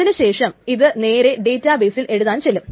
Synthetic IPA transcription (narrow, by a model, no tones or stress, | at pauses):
inɨɕe̞ːʂɐmiðɨne̞ːɾe̞ɖe̞ːtːaːbeːsilʔe̞ɻuðaːnt͡ɕelːum